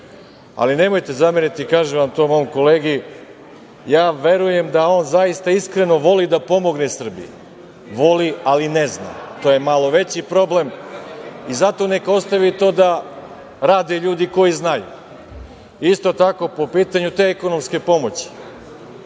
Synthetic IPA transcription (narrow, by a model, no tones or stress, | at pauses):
a̰line̞mo̞jt̪e̞zameɾit̪ikaːʒeʋamt̪o̞ːmo̞jomko̞leːɡi | jaːʋe̞ɾuje̞md̪ao̞ːnzajist̪aiskɾe̞no̞ʋo̞lid̪apo̞mo̞ɡnesr̩bḭj | ʋo̞lialinezna̰t̪oje̞malo̞ʋe̞t͡ɕipɾo̞ble̞m | izat̪o̞ne̞kao̞st̪aʋit̪o̞ːd̪a | ɾaːd̪eʎuːd̪iko̞jiznajṵ | ist̪o̞t̪ako̞po̞piːt̪aɲut̪e̞eko̞no̞mske̞po̞mo̞t͡ɕi̥